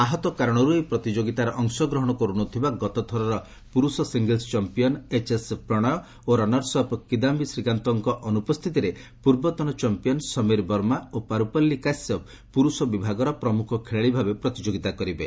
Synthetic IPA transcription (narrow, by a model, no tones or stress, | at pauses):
aɦɔt̪ɔkaɾɔɽ̃ɔɾuepɾɔt̪id͡ʒoɡit̪aɾɔʔɔŋsɔɡɾɔɦɔɽ̃ɔkɔɾunɔt̪ʰibaɡɔt̪ɔt̪ʰɔɾɔɾɔ | puɾusɔsiŋɡelst͡ʃɔmpijɔnet͡ʃespɾɔɽ̃ɔjɔ | oɾɔnɔɾsɔpkid̪ambisɾikant̪ɔŋkɔʔɔnupɔst̪ʰit̪iɾepuɾbɔt̪ɔnɔt͡ʃɔmpijɔnsɔmeɾbɔɾmaopaɾupɔlːikasɔp | puɾusɔbibʱaɡɔɾɔpɾɔmukʰɔkʰeɭeɭibʱabepɾɔt̪id͡ʒoɡit̪akɔɾibe